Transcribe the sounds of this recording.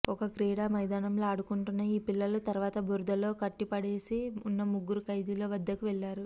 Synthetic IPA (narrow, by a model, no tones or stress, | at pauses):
ɔkɐkɾiːɽaːmɐjd̪aːnɐmloːɐɽukuɳʈunːɐjiːpilːɐlut̪ɐɾuʋaːt̪ɐbʱuɾd̪ɐlo̞ːkɐʈːipɐɽeːsiunːɐmuɡːuɾukɐjd̪ilo̞ːʋɐd̪ːɐkuʋɛɭːaːɾu